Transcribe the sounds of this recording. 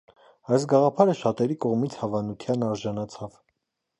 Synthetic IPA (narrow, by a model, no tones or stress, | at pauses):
ɑjsɡɑʁɑpʰɑɾəʃɑt̪ɛɾikɔʁmit͡sʰhɑvɑnut̪ʰjɑnɑɾʒɑnɑt͡sʰɑv